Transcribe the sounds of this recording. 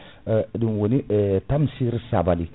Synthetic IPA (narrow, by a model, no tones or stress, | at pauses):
dinwonitamsiɾisabali